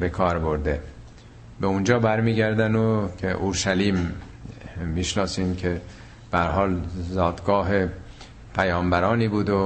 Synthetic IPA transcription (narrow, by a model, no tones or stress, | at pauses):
be̞kʰɒːɾbo̞ɾd̪e | beund͡ʒɒːbæɾmiːɟæɾd̪ænocʰeʔoɾʃæliːmː | iːʃnɒːsiːmcʰe | b̥ehæɾhɒːlzɒːd̪ɡɒːɦe | pʰæjɒːmbæɾɒːniːbuːd̪o